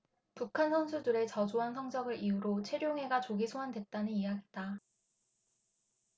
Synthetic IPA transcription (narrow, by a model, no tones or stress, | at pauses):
pukʰansʰʌnsʰudɯɾe̞t͡ɕʌd͡ʑoɦansʰʌŋd͡ʑ͈ʌɡɯɾiuɾot͡ɕʰe̞ɾjoŋɦe̞ɡat͡ɕoɡisʰoɦandwet̚t͈anɯnijaɡit͈a